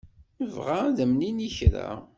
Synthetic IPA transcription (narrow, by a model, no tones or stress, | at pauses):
əvʁaðəmniniçɾa̰